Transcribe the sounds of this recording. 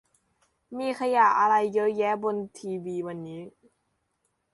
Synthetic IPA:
miː˧kʰa˧ja˨˩ʔ̚ʔa˧ɾa˧jːɤ˦˥jɛː˦˥bo˧nt̪ʰiː˧wiː˧wa˧nːiː˦˥

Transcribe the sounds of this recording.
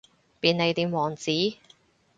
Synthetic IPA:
piː˨nːe˨˧jt̪iː˨˧mwɔː˨˩ŋt͡siː˨˥

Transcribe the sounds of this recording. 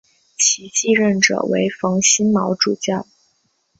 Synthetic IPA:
t͡ɕʰi˧˥t͡ɕi˥˧ɻə˥˩nʈ͡ʂɤ̰˨˩wḛ˧˥ɪfɑ˧˥ŋɕi˥nmɑ˧˥ʊʈ͡ʂu˨˩t͡ɕjɑ˥˩ʊ

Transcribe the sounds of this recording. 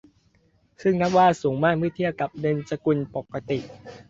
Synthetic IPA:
sɯ˥˩ŋna˦˥p̚waː˥˩suː˩˦ŋmaː˥˩k̚mɯ˥˩t̪ʰi˥˩əwka˨˩p̚dɤ˧nsa˧ku˧npo˨˩kːa˧t̪i˨˩ʔ

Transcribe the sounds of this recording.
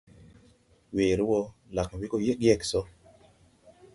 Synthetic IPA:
we˨ɾwɔ˦la˨kma˨wi˦ko˦jɛ˦kjɛ˦ksɔ˦

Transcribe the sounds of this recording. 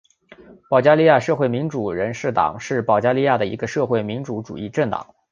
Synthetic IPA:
pɑ˨˩ʊt͡ɕja˥li˥˧˥ja˥˧ʂɤ˥˧xwe˥˩ɪmi˧˥nʈ͡ʂu˨˩ɻə˧˥nʂɻ̩˥˩t̪ɑ̰˨˩˦ŋʂɻ̩˥˩pɑ˨˩ʊt͡ɕja˥li˥˧ja˥˩d̪ə˩ḭ˧˥ɡə˧ʂɤ˥˧xwe˥˩ɪmi˧˥nʈ͡ʂu˧˥ʈ͡ʂṵ˨˩i˥˧ʈ͡ʂə˥˩ŋt̪ɑ̰˨˩˦ŋ

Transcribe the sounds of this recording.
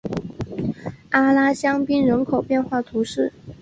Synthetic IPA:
a˥la˥ɕjɑ˥ŋpi˥nɻə˧˥nkʰo˨˩ʊpjɛ˥˧nxwa˥˩t̪ʰu˧˥ʂɻ̩˥˩

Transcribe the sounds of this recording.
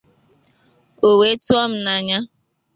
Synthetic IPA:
o˨we˨˦tu˦ɔ˦m̩˦na˨ɲa˦

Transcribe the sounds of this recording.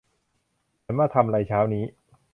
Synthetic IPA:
nmaː˥˩t̪ʰa˧mɾa˧jt͡ɕʰaː˦˥wniː˦˥

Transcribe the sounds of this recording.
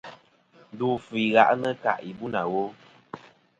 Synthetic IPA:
n˨duː˨fi˨ɣa̰˨ʔnə˦ka̰˨ʔi˨bu˦na˨wo˦

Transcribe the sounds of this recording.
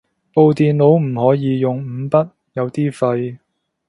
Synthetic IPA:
po˧wt̪iː˨nlo˨˥wm̩˨˩hɔː˨˥jiː˨˧jʊ˨ŋ̩˨˧˥pɐ˥t̚ | jɐ˨˧wt̪iː˥fɐ˧j

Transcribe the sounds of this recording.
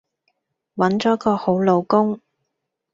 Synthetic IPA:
wɐ˨˥nt͡ʃɔː˨˥kɔː˧ho˨˥wlo˨˧wkʊ˥ŋ

